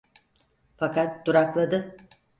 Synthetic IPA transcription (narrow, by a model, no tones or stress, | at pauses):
fakat̪̚d̪uɾaklˠad̪ɯ